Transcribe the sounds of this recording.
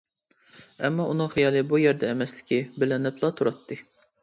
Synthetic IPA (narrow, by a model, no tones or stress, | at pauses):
ɛmːɑʔunɨŋχijɑːlˠɨbujɛɾd̪ɛːmɛslɪ̥kʲibɪlɪnɪplˠɑt̪ʰuɾɑt̪ʰːɨ